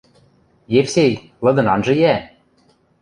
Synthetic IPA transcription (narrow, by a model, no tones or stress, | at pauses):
jefsej | lɤ̆d̪ɤ̆nɑnʒɤ̆jæ